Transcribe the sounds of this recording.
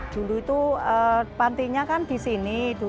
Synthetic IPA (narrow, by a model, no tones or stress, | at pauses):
d̪̥ṳluit̪uəpant̪iɲakand̪̥i̤sinid̪̥u